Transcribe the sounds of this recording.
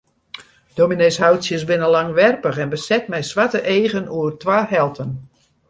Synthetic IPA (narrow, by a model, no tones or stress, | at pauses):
d̥omineshawsjəsbɪnəlaŋʋɛrpəxɛnbəsɛtmɛjsʋatəʔeːɣənuərtʋaːhɛlˠtʰən